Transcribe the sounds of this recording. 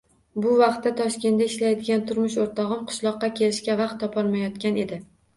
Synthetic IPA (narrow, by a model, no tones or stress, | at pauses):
bʊvɑqt̪ːat̪ʰɒʃkʲe̞nd̪aɪʃlajd̪ɪɡʲant̪ʰʊɾmʊʃoɾt̪ʰɒʁɨmqʰɨ̥ʃlˠɒqːɑkʲʰe̞lɪʃkʲavɑqt̪ʰːɒpʰɒɾmajɒt̪kʲane̞d̪ɪ